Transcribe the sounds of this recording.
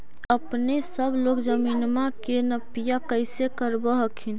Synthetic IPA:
əpnesəbʱlokd͡ʒəminmakenəpijakəjsekəɾbəɦəkʰin

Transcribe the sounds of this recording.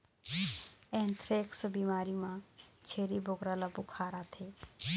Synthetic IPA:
ɛ̃ːnt̪ɾeːksəbiːmaːɾimãt͡ʃʰeːɾiboɡɾalabʊkʰaːɾat̪ʰeː

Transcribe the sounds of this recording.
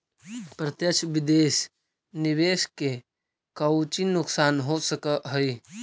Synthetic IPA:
pɾət̪jət͡ʃʰbɪd̪eːs | nɪʋeːske | kəwt͡ʃinʊksaːnɦosəkəɦəi

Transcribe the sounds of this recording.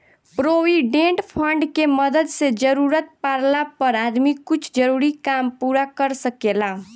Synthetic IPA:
pɾowiɖẽɳʈpʰəɳɖkeməd̪əd̪sed͡ʒəɾuɾət̪̚paɾlapəɾad̪mikʊt͡ʃʰd͡ʒəɾuːɾikampuɾakəɾsəkela

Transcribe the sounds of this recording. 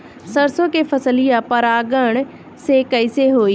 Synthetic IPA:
səɾsoːkeːpʰəsəlɪjãːpəɾaːɡəɳ̃ | seːkəɪseːɦoːiː

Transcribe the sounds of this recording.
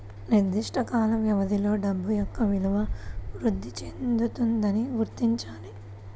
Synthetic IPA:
niɾd̪iʂʈʰɐkaːlɐʋjɐʋɐd̪ilo̞ːɖɐbːujɔkːɐʋiluʋɐʋɾud̪ʱːit͡ʃend̪ut̪und̪ɐniɡuɾt̪iɲt͡ʃaːli

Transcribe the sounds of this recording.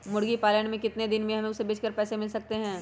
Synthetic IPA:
mʊɽɡipaːləɽ̃mẽkɪt̪ned̪ɪnmẽɦɐmẽʊsebeːt͡ʃkəɾpɛːsemɪlsɐk̚t̪eɦɛ̃ː

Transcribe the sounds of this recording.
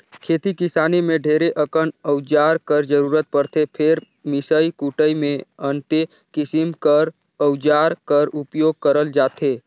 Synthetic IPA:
kʰeːt̪ikɪsaːnemẽɖʱeːɾeʔəkənəʊd͡ʒaːɾkəɾd͡ʒəɾuːɾət̪̚pəɾt̪ʰepʰeɾ | mɪsəikuʈəimẽənt̪e | kɪsɪmkəɾ | əwd͡ʒaːɾkəɾʊpjoːɡ̚kəɾəld͡ʒaːt̪ʰeː

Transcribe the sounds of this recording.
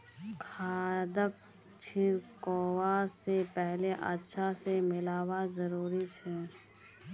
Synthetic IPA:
kʰaːd̪ək̚ | t͡ʃʰikoːwasepɛɦleʔə̰tːʃʰasemɪlaːwazəɾuːɾit͡ʃʰɛː

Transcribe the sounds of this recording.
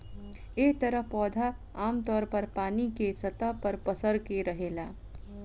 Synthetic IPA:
eːt̪ɐɾəɦpɔːd̪ʱa | aːmt̪ɔːɾpɐɾpaːnikesɐt̪apɐɾpɐsəɾkeɾɐɦeːlaː

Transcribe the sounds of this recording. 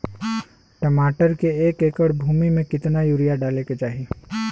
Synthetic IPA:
ʈəmaːʈəɾkeeːkeːkəɾbʱuːmimẽkɪt̪najuːɾijaɖaːleket͡ʃaːɦi

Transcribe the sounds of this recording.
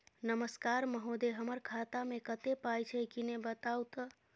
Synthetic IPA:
nəməskaɾməɦod̪eɦəməɾkʰat̪amekət̪epajt͡ʃʰɛkinebət̪awt̪

